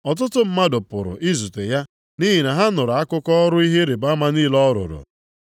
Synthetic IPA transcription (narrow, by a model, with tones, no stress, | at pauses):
ɔ˨t̬ʊ˦tʊ˦m̩˦ma˦dʊ˨pʊ̰˨ɾʊ̰˨ʔi˦zu˨te˨ja˦ | ni˦ɦi˨na˨ɦa˦nʊ˨ɾʊ˨a˦kʊ˦kɔ˦ɾʊ˦i˦ɦe˦ɾe˨ba˦ma˦niː˦lɔ˦ɾʊ̰˨ɾʊ̰˨